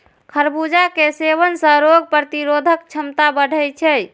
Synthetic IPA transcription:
kʰəɾbud͡ʒakeseβənsə̃ɾoɡ̚pɾət̪iɾod̪ʱək̚t͡ʃʰəmt̪abəɽʱəjt͡ʃʰɛ

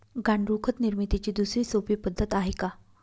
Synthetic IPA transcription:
ɡaɳɖɾukʰət̪niɾmit̪it͡ɕiːd̪usɾiːsopiːpəd̪ʱːət̪aɦeka

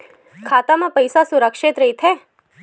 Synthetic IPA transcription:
kʰaːt̪amãpəjsasʊɾəkʃɪt̪ɾəɦit̪ʰɛ

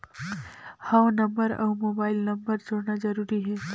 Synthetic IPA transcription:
hɐwnɐ̃mbəɾɔ̰ːmoːbaːɪlnɐ̃mbəɾd͡ʒoːɽnad͡ʒɐɾuːɾiɦɛː

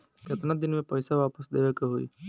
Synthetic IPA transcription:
kjet̪nad̪inmepəjsaʋapəsd̪ebakɔɦo̰j

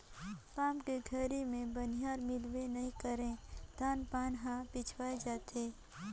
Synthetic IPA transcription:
paːmkeɡʱəɾimẽbənijaːɾmɪlwenɐɦĩkəɾẽd̪̥ʱaːnpaːnɦãpɪt͡ʃʰwaːed͡ʒaːt̪eː

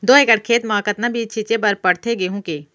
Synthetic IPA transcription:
d̪oːeːkəɽkʰeːt̪mãːkət̪nabʱiːt͡ʃʰit͡ʃebɐɾpɐɽt̪ʰeɡeɦũːkeː

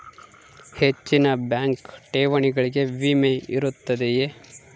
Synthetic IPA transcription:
he̞t͡ʃːinɐbjaːŋkʈeːʋɐɳiɡɐɭiɡe̞ʋimeiɾut̪ːɐd̪eje

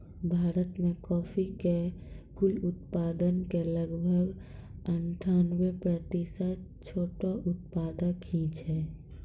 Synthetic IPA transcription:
bʱaːɾət̪mẽkɔːpʰikekʊlʊt̪paːd̪ənkeləɡbʱəɡəɳʈʰaːnwepɾət̪isa | t͡ʃʰoːʈoʔʊt̪̚paːd̪ãkʰĩːt͡ʃɦɛ

